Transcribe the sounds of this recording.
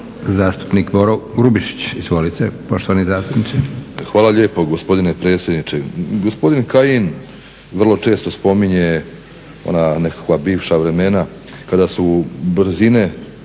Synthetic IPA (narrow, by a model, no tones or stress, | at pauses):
zaːst̪u̥pnikboɾoɡɾubiʃi̥t͡ɕizʋolit̪sepoʃt̪oʋanizaːst̪upnit̪sixʋaːlaʎe̞ːpo̞ɡo̞spo̞d̪ine̞pɾe̞ːt̪sʲjed̪nit͡ʃeɡo̞spo̞d̪inkajin | ʋr̩lˠo̞t͡ʃe̞ːst̪o̞spo̞miɲe̞ | o̰nane̞kḁkʋabiːʋʃaʋɾe̞me̞na | kad̪asubr̩zine̞